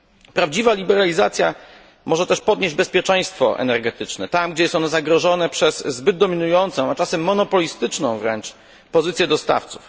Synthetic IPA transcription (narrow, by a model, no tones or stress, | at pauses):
pɾavd͡ʑivalʲibɛɾalʲizat̪sʲja̰ | mɔʐɛt̪ɛʂpɔd̪ɲeʑd͡ʑbɛspʲjɛt͡ʂɛj̃st̪fɔ̰ʔɛ̰nɛɾɡɛt̪ɘt͡ʂnɛt̪amɡd͡ʑɛjɛst̪ɔnɛzaɡɾɔʐɔnɛpʂɛsːbɘd̪̚d̪ɔmʲinujɔnt̪sɔ̃w̃at͡ʂasɛmːɔnɔpɔlʲist̪ɘt͡ʂnɔ̃w̃vɾɛnt͡ʂ | pɔzɘt̪sʲjɛd̪ɔst̪a̰ft̪su̥f